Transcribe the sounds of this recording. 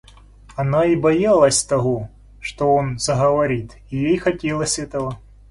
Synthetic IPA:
ɐnaibɐjalˠɐsʲt̪ɐɦo | ʂt̪oonz̥ɐɦɐʋɐɾʲit̪ | ijejxɐtʲelˠəsʲɛt̪əʋə

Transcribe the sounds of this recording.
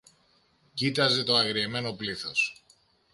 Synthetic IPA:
cit̪ɐze̞t̪o̞ɐɣɾieme̞no̞pliθo̞s

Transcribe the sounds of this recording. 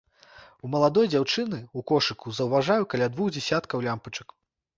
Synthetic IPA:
umɐlˠad̪ɔjd͡zʲawt͡ʂɨnɨukɔʂɨkuzɐwvaʐajukɐlʲad̪vuɣd͡zʲɛsʲat̪kɐwlʲampɐt͡ʂɐ̥k

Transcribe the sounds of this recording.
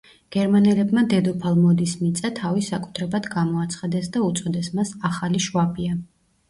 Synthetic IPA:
ɡ̥ɛɾmanɛlɛbmad̪ɛd̪ɔpʰalˠmɔd̪ismit̪sʼat̪ʰavisakʼu̥t̪ʰɾɛbad̪ɡamɔat̪sʰχad̪ɛsd̪aut̪sʼɔd̪ɛsmasaχaliʃuabia

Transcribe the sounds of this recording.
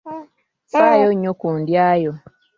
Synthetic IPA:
sajoɲːokuːndjaːjo

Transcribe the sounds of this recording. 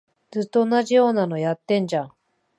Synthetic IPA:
d͡zɨt̪ːo̞onaʑijo̞ːnano̞jat̪ːẽ̞ɲ̟d͡ʑã

